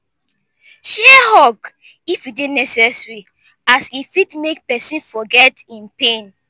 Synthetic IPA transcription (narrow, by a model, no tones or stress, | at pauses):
ʃɛhɔk | ifidenɛsɛsɹi | asifitmek̚pɛsĩnfɔɡɛtĩnpẽn